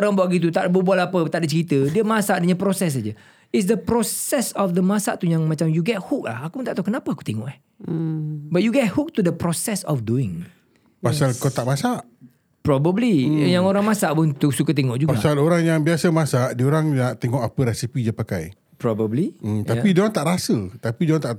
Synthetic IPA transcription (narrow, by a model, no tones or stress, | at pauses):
oɾaŋbaaʔɡit̪̬ut̪aʔbəbualapət̪aʔdət͡ʃəɾit̪ədiəmasaʔdəɲapɾosɛs̬ad͡ʒə | ɪts̬dəpɾɔsɛsɔfd̪əmãsaʔt̪ujaŋmat͡ʃamjuɡɛt̚huk̚la̰hakut̪aʔt̪akənapəaku̥t̪eŋɔʔɛh | bat̪̚juɡɛt̚huk̚t̪udəpɾɔsɛsɔfduɪŋ | pasalkot̪aʔmasaʔ | pɾɔbəblijaŋoɾaŋmãsaʔpʊnt̪usukat̪eŋɔʔd͡ʒuɡpasaloɾaŋjaŋbiasəmãsaʔdioɾaŋnaʔt̪eŋɔʔapəɾɛsipid͡ʒaəpakaj | pɾɔbəblimt̪apidoaŋt̪aʔɾasət̪apidoaŋt̪aʔ